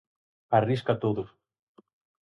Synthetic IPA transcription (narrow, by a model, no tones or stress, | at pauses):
ariskat̪oðʊs